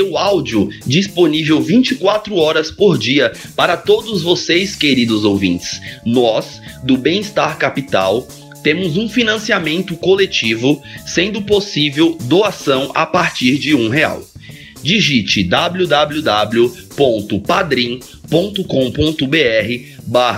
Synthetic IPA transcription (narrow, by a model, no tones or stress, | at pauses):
eʊawd͡ʒiʊd͡ʒisponivewvĩt͡ʃɪkwat̪ɾʊɔɾɐspoɾd͡ʒiɐ | paɾɐt̪od̪ʊzvosejskeɾid̪ʊzowvḭ̃t͡ʃɪ̥snɔs | d̪ʊbẽj̃ist̪aɾkapit̪a̰w | t̪ẽmʊzũfinɐ̃siamẽnt̪ʊkolet͡ʃivʊsẽnd̪ʊposivewd̪oasɐ̃w̃ʔa̰paɾt͡ʃiɾd͡ʒɪũɦea̰w | d͡ʒiʒit͡ʃɪd̪abljud̪ablud̪abljʊ | põnt̪ʊpad̪ɾĩ | põnt̪ʊkõw̃põnt̪ʊbeɛɦɪ | baɦɐ